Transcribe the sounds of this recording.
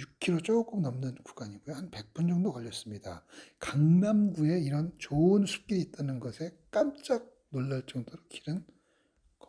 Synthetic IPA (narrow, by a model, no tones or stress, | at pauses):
juk̚kʰiɾot͡ɕ͈ok͈ɯmnʌmnɯnku̥ɡaɲiɡujohanpe̞k̚p͈ʰund͡ʑʌŋdokʌʎːʌs͈ɯmɲidakaŋmamɡue̞iɾʌnt͡ɕoɯnsʰu̥p̚k͈eit̚t͈anɯnɡʌsʰe̞k͈amt͡ɕ͈ak̚ | noɭːaɭt͡ɕ͈ʌŋdoɾokʰiɾɯn | kʌ